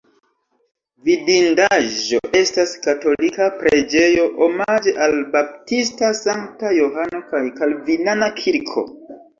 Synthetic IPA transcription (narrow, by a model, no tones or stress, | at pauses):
vidindaʒo̞̰ʔe̞staskato̞likapɾe̞d͡ʒe̞jo̞ʔomad͡ʒeʔalbap̚tistasaŋk̚tajoɦano̞kajkalvinanakʰiɾkʰo̞̰